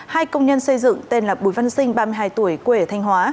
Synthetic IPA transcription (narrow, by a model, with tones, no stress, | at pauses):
haː˧jkə˧wŋ͡mɲə˧nsə˧jzɨ̰˧˨ŋt̪e˧nlaː˨˩ɓu˨˧˩jva˧nsï˧ŋ̟ɓaː˧mɨ˧əjɦaː˧jt̪u˧˩əjkwe˨˧˩t̪ʰa˧jŋ̟ɦwaː˨˦